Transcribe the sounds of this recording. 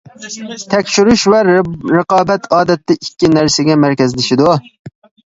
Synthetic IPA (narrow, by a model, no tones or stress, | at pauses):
t̪ʰɛkʲʃyɾuʃvɛɾɨqɑːbɛt̪ʰɑːd̪ɛt̪ːɛikʲːinæɾsɪɡʲɛmæɾkʲɛzlɪʃɪd̪ʊ